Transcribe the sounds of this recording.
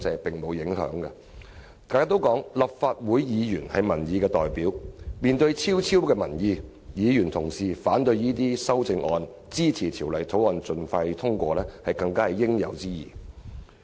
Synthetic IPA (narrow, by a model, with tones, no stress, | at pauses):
t͡sɛː˨˧pɪ˨˩ŋmo˨˧wjɪ˨˥ŋɦœ̰ː˨˥ŋkɐ˧ | k̪aː˨˧j̚t̪wkɔː˨˥ŋlɐ˨p̚faː˧t̚wuː˨˥jjiː˨˧jyː˨˩nhɐ˨˧jmɐ˨˩njiː˨˧kɛː˧t̪ɔː˨jpiː˨˥wmiː˨nt̪ɵ˧ɥt͡sʰiː˥wt͡sʰiː˥wkɛː˧mɐ˨˩njiː˧ | jiː˨˧jyː˨˩nt̪ʰʊ˨˩ŋsiː˨faː˨˥nt̪ɵ˧ɥjiː˥t̪iː˥sɐ˥wt͡sɪ˧ŋʔɔː˧n | t͡siː˥t͡sʰiː˨˩t̪ʰiː˨˩wlɐ˨˩jt̪ʰo˨˥wɔː˨nt͡sɵ˨nfɐ˧jt̪ʰʊ˥ŋkʷɔː˧lɛː˥hɐ˨jkɐ˧ŋkaː˥hɐ˨jɪ˥ŋjɐ̰˨˧wt͡siː˥jḭː˨˩